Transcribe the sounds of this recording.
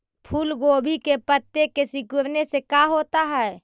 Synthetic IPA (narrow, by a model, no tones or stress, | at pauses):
pʰulɡoːbʱikepət̪ːekesɪkʊɾnesekaɦoːt̪aɦɛː